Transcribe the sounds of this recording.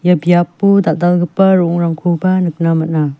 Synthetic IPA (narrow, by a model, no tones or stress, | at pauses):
jabjapːudadalɡɯpɐɾɔŋɾamkʰubanɯk̚namana